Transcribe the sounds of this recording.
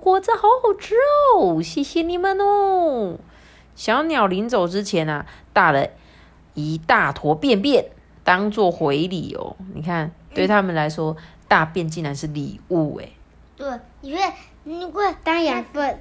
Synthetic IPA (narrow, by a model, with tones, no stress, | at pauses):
kwɔ˧˥t͡s̩˥˧xɑ˧˥ʊxɑ˨˩ʊʈ͡ʂɻ̩o˥˩ɕi˧˩ɕi˥ni˧˩mə˧no˥ | ɕjɑ˧˥ʊnjɑ˨˩ʊli˧˥nt͡so˨˩ʊʈ͡ʂɻ̩˥t͡ɕʰjɛ˧˥˦nɐ˨t̪a˥˩lə˨˩ | i˨˩t̪a˥˩t̪ʰwɔ˧˥pjɛ˥˨npjɛ˥˩n | t̪ɑ˥ŋt͡swɔ˥˩xwe˧˦˥ɪlḭ˨˩ɔ̰˨˩˦nḭ˨˩kʰa˥˩nt̪we˥˩ɪt̪ʰa˥mə˨nla˧˥ɪʂwɔ˥t̪a˥˧pjɛ˥˧˨nt͡ɕi˥˩nɻa˧˥nʂɻ̩˥˩li˨˩u˥˩ḛ˨˩˦ | t̪we˥˩ | i˨˩e˥˩˨ | i˧kwe˥˩t̪a˥ŋja˨˩pə˥˩